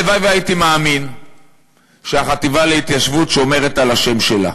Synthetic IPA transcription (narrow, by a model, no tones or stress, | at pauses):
vajveajit̪imaːmin | ʃeaχat̪ivaleit̪jaʃvutʃeo̞me̞ʁetalaʃe̞mʃe̞la̰